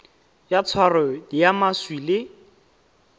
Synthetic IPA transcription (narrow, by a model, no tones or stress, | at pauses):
jat͡sʰwarɔdijamaswilɪ